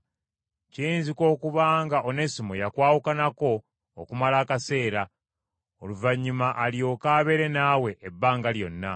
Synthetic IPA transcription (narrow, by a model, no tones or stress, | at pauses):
ciːnziko̞ːkuβaːŋɡaʔone̞simo̰jakwaːwukanako̞̰ː | kumalaːkase̞ːɾa | oluvaɲːumaʔaljo̞kaːβe̞ɾe̞nawe̞ʔebːaːŋɡaljo̞̰nːa